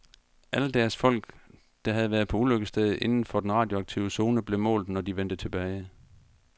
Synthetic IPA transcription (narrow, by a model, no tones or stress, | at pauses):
ʔæləd̥æɐsfɒ̽l̰ɡ̥ | d̥ɑ̈ɦæð̞̩ˠʋæːɐðˠpʰɒ̽uløɡ̥əsd̥eð̞ˠʔe̝nn̩fɒ̽d̥enʁɑ̈ːd̥jo̝ɑ̈ɡ̥̚t͡sʰḭʊəso̝ːnəb̥le̝mɔ̰ːld̥̩ˠnɒd̥iʋen̰d̥ət͡sʰe̝b̥ɛːɪ